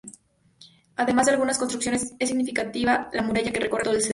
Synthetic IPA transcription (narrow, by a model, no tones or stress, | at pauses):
aðe̞mazðe̞alɣunaskonst̪ɾuksjo̞nesesːiɣnifikat̪iβalamuɾaʝake̞rekoreoelse